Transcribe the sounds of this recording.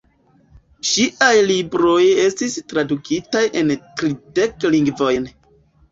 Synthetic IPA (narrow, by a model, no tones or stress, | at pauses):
ʃiʔajlibɾo̞je̞stistɾadukʰitajʔe̞ntɾide̞kliŋɡvo̞jn